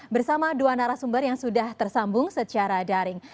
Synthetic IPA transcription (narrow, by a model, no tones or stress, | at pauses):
bərsamaduanaɾasumbərjaŋsudaht̪ərsambʊŋsət͡ʃaɾadaɾɪŋ